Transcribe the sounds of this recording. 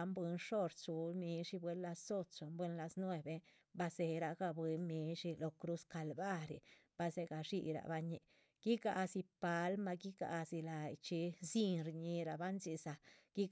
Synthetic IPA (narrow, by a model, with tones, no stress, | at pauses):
mbwe˧˦nʂo˦ɾt͡ʃu˨lmi˧˦ʂi˧˦bwe˧˦nla˧so˦t͡ʃo˨mbwe˦nla˧snwe˧˨be˧ | ba˧se˧ɾa˧ɡa˧bwe˧mi˧ʂi˧lo˧kɾu˦ska˧lba˦ɾḭ˨b̥a˧se˧ɡa˧ʂi˧ɾa̰˨ba˧ɲḭ˧ | ɡ̥i˦ɡa˧si˧pa˨˧lma˧ɡi˦ɡa̰˧si˧la˨jt͡ʃi˧si˦nɾɲi˧ɾa˨ba˦nzi˧sa˧ɡ̥i˦